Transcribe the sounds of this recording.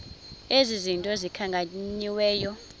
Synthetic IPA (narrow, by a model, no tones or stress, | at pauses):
ezizintʼɔzikʰaŋkʼaɲiwɛːjɔ